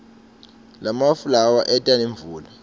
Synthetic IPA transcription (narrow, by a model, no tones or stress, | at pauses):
lamafulawaʔɛtʼaneɱvuːla